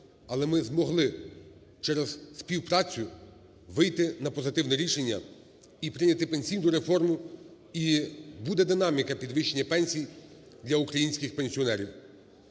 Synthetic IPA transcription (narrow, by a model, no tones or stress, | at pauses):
ɐlˠɛmɪzmɔɦlˠɪ | t͡ʃɛɾɛzsʲpʲiwpɾɑt͡sʲʊ | ʋɪjt̪ɪnɐpɔzɪt̪ɪwnɛɾʲiʃe̞nʲːɐ̰ | ipɾɪnʲɐt̪ɪpenʲsʲijnʊɾefɔrmʊ | ibud̪ɛd̪ɪnɑmʲikɐpʲid̪ʋɪʃt͡ʃːe̞nʲːɐpɛnʲsʲij | d̪lʲɐukɾɐjinʲsʲkʲɪxpenʲsʲiɔnɛɾʲiw